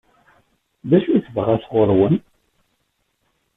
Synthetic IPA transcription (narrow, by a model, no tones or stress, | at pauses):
ðæʃuθəvʁæθʁoɾˤwən